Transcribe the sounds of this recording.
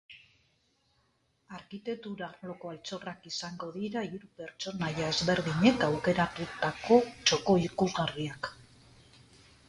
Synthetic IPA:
aɾkit̪e̞k̚t̪uɾarlo̞ko̞alt͡so̞rakisaŋɡo̞ðiɾaiɾupe̞ɾt͡ʃo̞najaezβe̞ɾðiɲe̞kawke̞ɾat̪ut̪ako̞t͡ʃo̞ko̞ikuzɣariak

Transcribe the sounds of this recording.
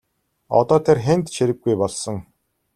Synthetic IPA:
ɔ̰t̪ɔːt̪ʰerxent̪ʃiɾɘ̆ɡːujpɔɮsɞ̆ŋ

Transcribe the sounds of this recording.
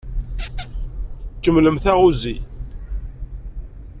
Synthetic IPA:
t͡ʃːəmləmθæʁuzi

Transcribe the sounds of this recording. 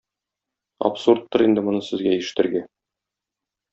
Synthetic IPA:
ɐ̰psurt̪ːɤɾind̪ɘmŏnɤsɘ̆zɡæiʃɘ̥̆t̪ɘ̆ɾɡæ

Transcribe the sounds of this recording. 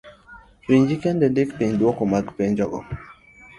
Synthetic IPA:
wiɲd͡ʒikɛndɛndɪkpiɲdwɔkɔmaɡpeɲd͡ʒɔɡɔ̰

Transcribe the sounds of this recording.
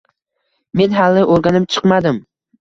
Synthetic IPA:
me̞nɦalːɪʔoɾɡʲanɪmt͡ʃʰɨ̥qmad̪ɪm

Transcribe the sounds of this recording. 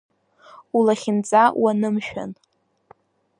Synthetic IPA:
ulaχʲɪnt͡sʼawanɨmʃᶣa̰n

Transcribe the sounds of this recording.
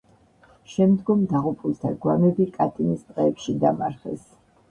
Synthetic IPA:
ʃɛmd̪ɡɔmd̪aʁupʼulˠt̪ʰaɡwamɛbikʼat̪ʼinist̪ʼqʼɛːpʃid̪amaɾχɛ̰s

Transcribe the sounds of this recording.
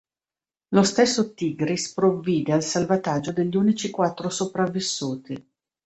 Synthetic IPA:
lost̪esːot̪iɡɾispɾovːiːd̪ealsalvat̪ad͡ʒːod̪eʎːiuːnit͡ʃikwat̪ːɾosopɾavːisːuːt̪i

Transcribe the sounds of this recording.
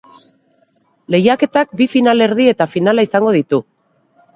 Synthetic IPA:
le̞jake̞t̪ak̚bifinale̞ɾð̞ie̞t̪afinalaisaŋɡo̞ðit̪u

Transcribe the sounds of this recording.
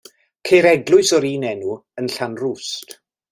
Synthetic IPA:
kʰejɾɛɡlˠʊɨsɔɾiːnɛnuənɬanrust

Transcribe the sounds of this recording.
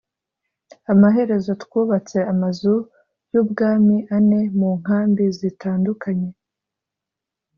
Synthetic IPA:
amaɦe̞ɾe̞zo̞twuːβat͡se̞amazu | jubɡaːmiʔane̞muːŋ̥ɦaːmbizitaːndukʰaɲe̞

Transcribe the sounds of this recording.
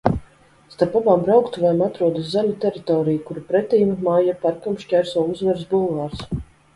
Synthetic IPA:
st̪aɾpabaːmbɾawkt̪uvajmat̪ɾuɔd̪ɨszɛmʲɛt̪ʲɛɾit̪ɔːɾijukuɾupɾɛt̪ʲiːmmaːjapaɾkamʃcʲɛɾsɔːuzvɛɾsbulˠvaːɾs

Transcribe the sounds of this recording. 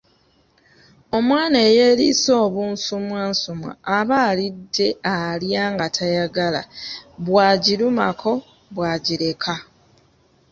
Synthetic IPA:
o̞mwaːne̞ːje̞ːliso̞ːβuːnsumweːnsumwa̰ːβaːlidːe̞aljaːŋɡatʰajaɡala̰βwaːɟiluma̰kʰo̞ | βwaɟiɾe̞kʰa

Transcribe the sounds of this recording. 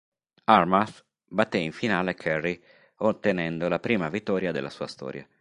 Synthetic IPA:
armas | bat̪ːeiɱfinaːlekʰɛrːi | ot̪ːenɛnd̪olapɾiːmavit̪ːɔːɾjad̪ḛlːasuːast̪ɔ̰ːɾja̰

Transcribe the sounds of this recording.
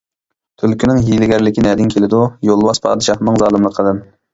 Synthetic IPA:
t̪ʰylkʲʰynɪŋjilɪɡʲɛɾlɪkʲinɛd̪ɪŋkʲʰelɪd̪ujolˠwɑspʰɑ̰ːd̪ɨʃɑχnɨŋzɑːlˠɨmlˠəqʰːəlˠdˠɨm

